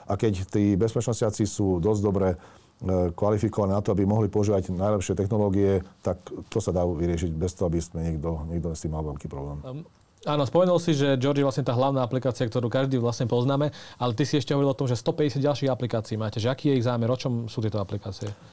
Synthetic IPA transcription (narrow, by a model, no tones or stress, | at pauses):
ʔakɛct̪iːbɛspɛt͡ʃnɔscat͡sisuːd̪ɔzɟd̪ɔbɾɛ | kʋalifikɔʋaninat̪ɔabimɔɦlipɔuʒiːʋaɟnajlɛpʃɪɛt̪ɛxnɔlɔːɡiɛt̪akt̪ɔsad̪aʋiɾɪɛʃiɟbɛst̪ɔɦɔabismɛɲɛɡd̪ɔɲɛɡd̪ɔst̪imalʋɛlkiːpɾɔ̰blɛːm | aːnɔspɔmɛnulsiʒɛd͡ʒɔɾd͡ʒiʋlasɲɛt̪aːɦlaʊnaːaplikaːt͡siak̚t̪ɔɾuːkaʒd̪iːʋlasɲɛpɔznaːmɛalɛt̪isiɛʃcɛɦɔʋɔɾilɔt̪ɔmʒɛst̪ɔpɛɟɛsjad̪ɟalʃiːɣaplikaːt͡siːmaːcɛʒɛakiːjɛiɣzaːmɛɾɔt͡ʃɔmsuːt̪ɪɛt̪ɔaplikaːt͡siɛ